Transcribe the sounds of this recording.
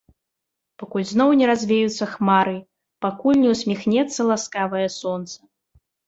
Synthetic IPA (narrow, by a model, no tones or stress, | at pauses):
pakulʲznɔwnʲɛɾazʲvʲɛjut̪sːɐxmaɾɨ | pakulʲnʲɛwsʲmʲixnʲɛt̪sːɐlˠaskavɐjɐsɔnt̪sɐ̥